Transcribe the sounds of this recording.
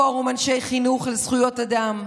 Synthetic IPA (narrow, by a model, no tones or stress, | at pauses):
oʁumanʃe̞jχinuχlezχujo̞tadam